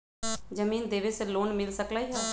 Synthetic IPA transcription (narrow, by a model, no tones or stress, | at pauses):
d͡ʒəmiːnd̪eːʋeseloːnmɪlsəklaːiɦɛː